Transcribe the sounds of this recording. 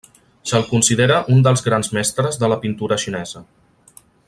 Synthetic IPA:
səlˠkunsiðeɾəʔund̪əlˠzɣɾanzmɛst̪ɾəzðələpint̪uɾəʃinɛzə

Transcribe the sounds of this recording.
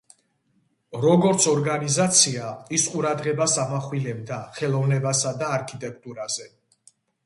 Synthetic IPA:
ɾɔɡɔɾt̪sʰɔɾɡanizat̪sʰiaisqʼuɾad̪ʁɛbasamaχwilɛbd̪aχɛlˠɔvnɛbasad̪aːɾkʰit̪ʼɛkʰt̪ʼuɾaz̥ɛ

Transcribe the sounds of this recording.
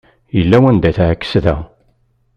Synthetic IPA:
jəlːæwænd̪æθʕkːə̥sðæ̰

